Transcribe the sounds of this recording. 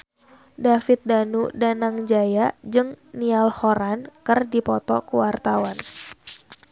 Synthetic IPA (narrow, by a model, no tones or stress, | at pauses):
dafɪt̪̚danudanaŋd͡ʒajad͡ʒɨŋnialhoɾankɨrdipɔt̪ɔkuwart̪awan